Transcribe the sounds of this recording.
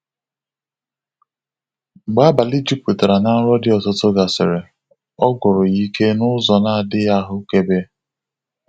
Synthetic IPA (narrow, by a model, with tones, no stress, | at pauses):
ɡ͡ba˦ba˨li˦d͡ʒi˦p̚tu˨ta˨ɾa˨na˦ɾɔ˦dɪ˦ɔ˨tʊ˦tʊ˦ɡa˨sɪ˨ɾe˨ | ɔ˦ɡʊ˨ɾʊ˨i˦kʰe˦nʊ˦zɔ˨na˦a˨dɪ˦ja˦ɦʊ˦ke˦be˦